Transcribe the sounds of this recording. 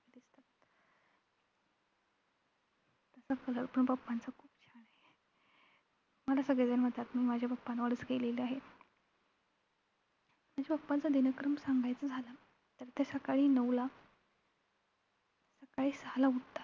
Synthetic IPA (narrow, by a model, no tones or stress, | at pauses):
d̪ist̪at̪ | t̪əsakələlpəɳbəpːant͡sakʰuːpt͡ɕʰaɽae | məlasəɡɭed͡zanm̤əɳt̪at̪miːmad͡ʑʱjabəpːanʋəɽət͡sɡeleliaɦe | m̤ad͡ʑebəɡpant͡sad̪inəkɾəmsaŋɡʱajt͡sad͡zʱala | t̪əɾt̪esəkaɭiːnəʋla | səkaɭiːsalaut̪a